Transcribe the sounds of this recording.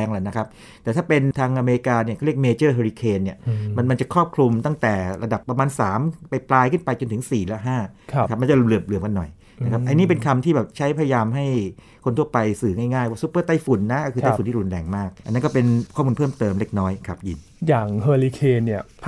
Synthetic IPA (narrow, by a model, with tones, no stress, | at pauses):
ɛː˧ŋla˨˩na˦˥kʰa˦˥p̚ | t̪ɛː˨˩t̪ʰaː˥˩pe˧nt̪ʰaː˧ŋʔa˧me˧ɾi˧kaː˧ni˥˩kʰaː˥˩ɾi˥˩ək̚meː˧t͡ɕɤː˥˩ɦeː˧ɾiː˧kʰeː˧nːi˥˩ɐma˧nma˧nt͡ɕa˨˩kʰɾɔː˥˩p̚kʰlu˧mt̪a˥˩ŋt̪ɛː˨˩ɾa˧da˨˩pːɾa˧maː˧nsaː˩˦mpa˧jplaː˧jkʰɯ˥˩npa˧jt͡ɕo˧nt̪ʰɯ˩˦ŋsiː˨˩lɛ˦˥ɦaː˥˩˦ka˦˥p̚ma˧t͡ɕa˨˩lɯ˨˩əp̚lɯ˨˩əmka˧nːɔ˨˩j | na˦kʰa˦˥pʔa˧niː˦˥p̬e˧nkʰa˧mt̪ʰiː˥˩bɛː˨˩p̚t͡ɕʰa˦˥jpʰa˧ja˧jaː˧mɦa˥˩j | kʰo˧nt̪ʰu˥˩ɐpa˧jsɯː˨˩ŋaː˥˩jŋaː˥˩jwaː˥˩su˦˥pːɤː˥˩t̪a˥˩jfu˨˩˦nːa˦˥ʔkʰɯ˧a˥˩fu˨˦nt̪iː˥˩ɾu˧nlɛː˧ŋmaː˥˩k̚ʔa̰˧nːa˦˥nkɔ˥˩pe˧nkʰɔː˥˩mu˧pʰɤː˥˩mt̪ɤː˧mle˦˥˩k̚nɔː˦˥jkʰa˦˥p̚ji˧n | jaː˨˩ŋhɤː˧li˧kʰeː˧nːi˥˩ɐpʰ